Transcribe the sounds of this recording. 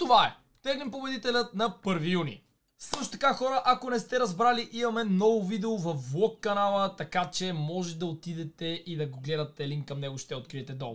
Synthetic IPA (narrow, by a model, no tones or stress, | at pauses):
t̪ovaɛ | t̪ɛɡlimpobɛd̪it̪ɛlʲət̪nɐpɤɾvijunḭ | sɤʃt̪o̥t̪ɐ̥kaxɔɾəʔakonɛst̪ɛɾɐzbɾaliʔimɐmɛnɔvʊvid̪ɛovɐfːlˠɔkːɐnalˠət̪ɐkat͡ʃɛmɔʒɛd̪ɐot̪id̪ɛt̪ɛʔid̪ɐɡoɡlɛd̪ɐt̪ːɛliŋkkːɐmnɛɡoʃt̪ɛot̪kɾiɛt̪ɛd̪ɔ̰lˠ